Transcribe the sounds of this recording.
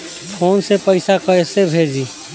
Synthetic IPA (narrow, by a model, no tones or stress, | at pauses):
pʰoːnsepəɪsakəsebʱeːd͡ʒi